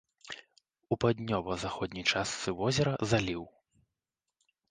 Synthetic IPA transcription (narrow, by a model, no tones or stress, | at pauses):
upad̪ʲnʲɔvɐzaxɔd̪ʲnʲijt͡ʂast̪sɨvɔzʲɛɾɐzalʲiw